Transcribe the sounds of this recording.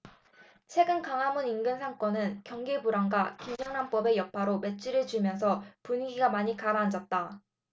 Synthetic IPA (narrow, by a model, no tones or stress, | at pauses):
t͡ɕʰwe̞ɡɯnkaŋɦamuninɡɯnsʰaŋk͈ʌnɯnkjʌŋɡebuɾaŋɡwakimd͡ʑʌŋɦanp͈ʌbe̞jʌpʰaɾome̞t͡ɕ͈ʰiɾɯɭt͡ɕimjʌns̬ʰʌpunɡiɡamaɲikaɾaːnd͡ʑʌt̚t͈a